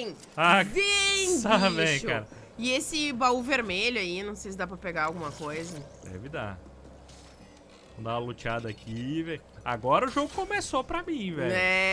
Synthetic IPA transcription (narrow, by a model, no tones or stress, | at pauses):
aĩavẽj̃t͡ʃkaɾɐ | ɪesɪbauveɾmeʎʊainɐ̃w̃sejs̬ɪd̪ap̬ɾɐpeɡaɾawɡũmɐkojzɐɛ̰vid̪a̰d͡ʒɪ | õd̪ãɐlot͡ʃiad̪ɐakʰivẽj | a̰ɡɔɾɐʊʒoɡʊkõmesopɾɐmĩvɛɛ